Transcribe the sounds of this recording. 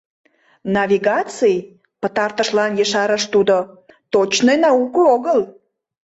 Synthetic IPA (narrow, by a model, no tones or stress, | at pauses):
nɑvʲiɣɑt͡sij | pət̪ɑrt̪əʃlɑnjəʃɑɾəʃt̪ud̪o | t̪ot͡ɕnejnɑukooɣəl